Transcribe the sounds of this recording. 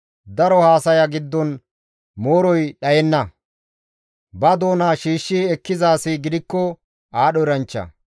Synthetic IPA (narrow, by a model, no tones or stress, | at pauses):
d̪ɐɾɔhaːsɐjɐɡɪd̪ːɔn | moːɾɔjɗɐjɛnːɐ | bɐd̪o̞ːnaʃiːʃːiɛkːɪzaːsɪɡɪd̪ɪkːɔ | aːɗɔɾɐnt͡ʃːɐ̰